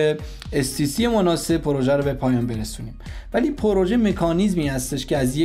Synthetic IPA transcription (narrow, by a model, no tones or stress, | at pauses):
e | est̪iːsije̞monɒːse̞pʰoɾoʒæɾɔbepʰɒːjɒːnbe̞ɾesuːniːm | væliːpʰoɾoʒeme̞kʰɒːniːzmiːhæst̪e̞ʃcʰeæzje